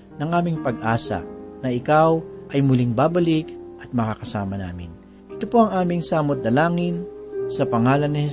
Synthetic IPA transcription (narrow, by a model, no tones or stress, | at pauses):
nɐŋʔaːmɪŋpɐɡ̚ʔaːsɐ̰nɐʔɪkawʔɐjmʊliŋbaːbɐlikʔɐt̪̚mɐkakɐsa̰ːmɐna̰ːmɪ̰n | ʔɪ̥t̪opo̞ɐŋʔaːmɪŋsaːmot̪̚d̪ɐlaːŋɪnsɐpɐŋaːlɐnːɪhɛ